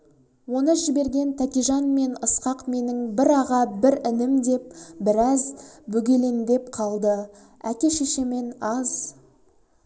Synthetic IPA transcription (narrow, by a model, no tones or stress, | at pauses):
wo̞nəʒɪbe̞ɾɡʲe̞nt̪ʰækʲijʒɑnme̞nəsqɑqme̞nɪŋbɪɾɑʁɑbɪɾɪnɪmd̪e̞p̚bɪɾɑzbɵɡʲe̞le̞nd̪e̞pqʰɑlˠd̪ə | ækʲe̞ʃeʃeme̞nɑz